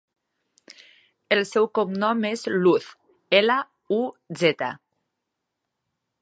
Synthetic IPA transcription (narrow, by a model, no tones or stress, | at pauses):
elsɛwkomnɔmezluθ | ela | uzet̪a̰